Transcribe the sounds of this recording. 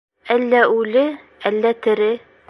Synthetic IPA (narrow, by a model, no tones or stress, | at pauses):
ælːæʉlɘ | ælːæt̪ɘ̆ɾɘ